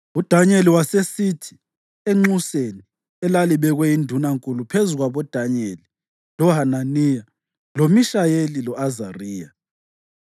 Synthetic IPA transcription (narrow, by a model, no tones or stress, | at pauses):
ud̥ʱaɲeliwasesitʰi̥ | eŋ͡ǁuseni | ɛlaliβɛɣwɛindʱunaŋkʼulupʰezuɣwaβɔd̥ʱaɲeli | lɔɦananija | lomiʃajelilɔazariːja̰